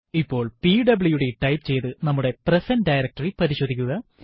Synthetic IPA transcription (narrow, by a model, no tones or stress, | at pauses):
ipːo̞ːɭpiɖɐbɭjuɽeʈɐjpt͡ɕe̞jt̪ɨnɐmːuɽe̞presɐnɖɐjɾɐk̚ʈɐripɐɾiɕo̞ːd̪ʱikʲːuɣɐ